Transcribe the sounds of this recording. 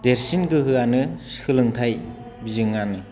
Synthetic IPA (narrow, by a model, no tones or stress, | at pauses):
deɾsinɡɯɦɯanɯskʰɯlɯŋtʰaj | bizɯŋanɯ